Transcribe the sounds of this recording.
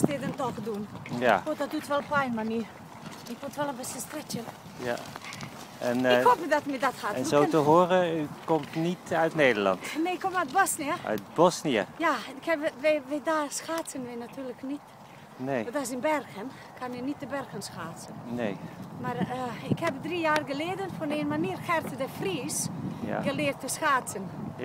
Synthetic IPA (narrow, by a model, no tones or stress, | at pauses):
stɪdəntɔxdunjafodɔt̚dutʋɛlˠpajnmani | ɪkʋotʋɛlˠənbɪsəstrɪtə | ja̰ | ɛnhopədɔtmidɔthaɛnzoːtəɦoːrəykɔmtnitœɥtnejdəlɑ̰ntneɪkʰːomat̚bɔsniəʔœ̰ɥt̚bɔsniəjaɪkhɛbʋɛʋɛdaːsxaːt͡sənʋɛnatʰyːrləknit | nedɔs̬ɪnbɛrxən | kʰanənit̚dəbɛrxənsxaːt͡sənnejmarəɪkhɛbdrijaːrɡəleːdənfɔneːnmaniːrxɛrtədəfriːsa̰ɡəlɪərtːəsxaːsən